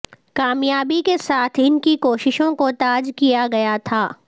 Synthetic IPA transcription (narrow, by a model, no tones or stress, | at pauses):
kaːmjaːbikesaːt̪ʰɪnkikoːʃɪʃõkot̪aːd͡ʒkijaɡɐjat̪ʰaː